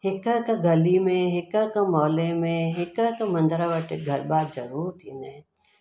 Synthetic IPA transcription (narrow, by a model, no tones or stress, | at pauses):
ɦɪkəkaɡɐlimẽɦɪkəkamɔːlemẽɦɪkəkamɐ̃nd̪ɾaʋəʈeɡʱɐɾbaːd̪d͡ʒɐɾuːɾt̪ʰine